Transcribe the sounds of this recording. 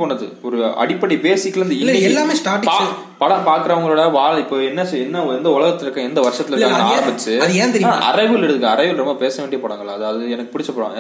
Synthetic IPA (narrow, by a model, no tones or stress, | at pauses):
koːɳːɐðɯ̰ɔɾɯɐ̰ɽɪpːɐɽibeːsɪkːlɾɯnd̪ɐɪɛlːaːmeːsʈaːʈɪpa | pɐɽɐpaːɾkɪɾɐʋɐŋɡɐɭoːɽaʋaːɭɪpːoːɛnːɐsɛnːɐɛnd̪ɐʊlɐɣɐt̪ːɪlɪɾɯkːãɛnd̪ɐʋɐɾʂɐt̪ːɪlɪɾkːaːɡɐaːɾɐmbɪt͡ʃːɯɐðẽːt̪ɛɾɪːʔɐ̰ɾɐɪʋɯlɪɽɯðɯkːaɐɾɐɪʋɪlɾɔmbɐpeːsɐʋeːɳɖijeːpoːɽaːŋɡɐɭlaːɐðaːʋɐðɯɛnɐkːɯ̥pʊɽɪt͡ʃːɐpoːɽa̰ːŋ